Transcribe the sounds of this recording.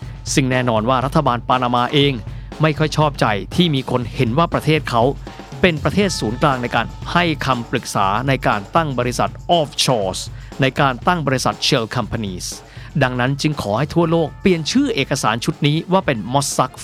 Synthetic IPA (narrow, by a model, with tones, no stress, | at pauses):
sɯ˧ŋnɛː˥˩nɔː˧nwaː˥˩ɾa˦˥t̪ʰːa˧baː˧npaː˧naː˧maː˧ʔeː˧ŋ | ma˥˩jkʰɔ˥˩jt͡ɕʰɔː˥˩p̚t͡ɕa˧jt̪ʰiː˥˩miː˧kʰo˧nhe˩˦nwaː˥˩pɾa˧t̪ʰeː˥˩t̪̚kʰa˦˥w | pe˧npɾa˧t̪ʰeː˥˩t̪̚suː˩˦nklaː˧ŋna˧jkaː˧nha˥˩jkʰa˧mpɾɯ˨˩k̚sa̰ː˩˦na˧jkaː˧nt̪a˥˩ŋbɔː˧ɾi˦˥sa̰˨˩t̪̚ʔɔː˥˩p̚t͡ɕʰɔː˧˩sna˧jkaː˧nt̪a˥˩ŋbɔː˧ɾi˦˥sa̰˨˩t̪̚t͡ɕʰeː˧wkʰa˧mpʰa˧niː˧˩s | da˧ŋna˦˥nt͡ɕɯ˧ŋkʰɔː˩˦ha˥˩jt̪ʰu˥˩ɐloː˥˩k̚pli˨˩ənt͡ɕʰɯː˥˩ʔeː˨˩kːa˧saː˩˦nt͡ɕʰu˦˥t̪̚niː˦˥waː˥˩pe˧nmɔ˦˥sːa˦˥k̚